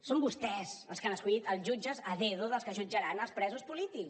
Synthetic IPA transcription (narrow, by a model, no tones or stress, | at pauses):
sombust̪ɛsə̰lˠskanəskuʎit̪əlˠzʒud͡ʒəzəðɛðuðəlˠskəʒud͡ʒəɾanəlˠspɾɛzuspulit̪ik